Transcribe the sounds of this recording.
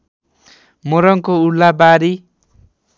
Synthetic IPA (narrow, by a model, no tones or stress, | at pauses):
moɾʌŋkoulːabaɾi